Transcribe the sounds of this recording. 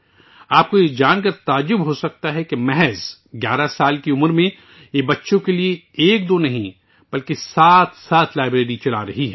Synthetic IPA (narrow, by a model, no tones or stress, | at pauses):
aːp̚kojed͡ʒaːnkəɾt̪aːd͡ʒːʊbɦosɐk̚t̪aɦɛkemɛɦɛz | ɡʲjaːɾasaːlkiʊməɾmẽ | jebɐtːʃõkelieeːk̚d̪oːnɐɦĩ | b̥ɐlkesaːt̪ʰsaːt̪ʰlaːɪbɾeːɾit͡ʃɐla̰ɾɐɦiɦɛː